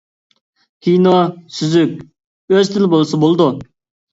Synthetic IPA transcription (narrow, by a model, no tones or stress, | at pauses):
kʲʰijnosyzykʲ | øzt̪ʰɪlɪbolˠsɑbolˠd̪u